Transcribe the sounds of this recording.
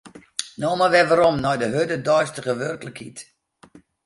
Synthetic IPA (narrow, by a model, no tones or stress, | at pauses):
noːmaʋɛʋaɾɔmnɔjdəɦødədɔjstəχəʋørkləkhit